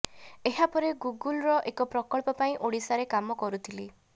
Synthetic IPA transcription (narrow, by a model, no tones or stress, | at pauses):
eɦapɔɾeɡuɡulɾɔʔekɔpɾɔkɔɭpɔpaĩʔoɽisaɾekamɔkɔɾut̪ʰili